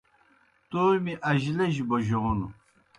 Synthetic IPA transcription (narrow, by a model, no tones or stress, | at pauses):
t̪oːmiʔɐʑlɐʑboʑoːnu